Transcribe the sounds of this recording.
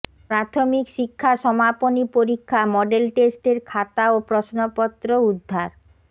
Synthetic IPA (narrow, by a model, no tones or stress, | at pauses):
pɾat̪ʰomikʃikʰːaʃɔmaponipoɾikʰːamɔɖelʈesʈeɾkʰat̪aopɾɔsnopɔt̪ːɾoud̪ʱːaɾ